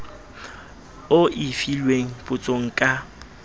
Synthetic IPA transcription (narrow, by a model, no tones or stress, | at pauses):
ʊʔɪfilweŋ̩pʼʊt͡sʼoŋ̩kʼa